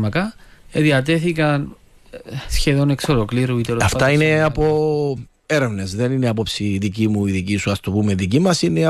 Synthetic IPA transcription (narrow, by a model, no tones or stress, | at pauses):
mɐkɐeðiɐt̪̬e̞θikɐn | sçeðoneksolokliɾuit̪eɾɐft̪ɐineɐpo | e̞ɾe̞vne̞zðe̞nineapopsiðicimuiðicisuɐst̪opumeðicimɐsine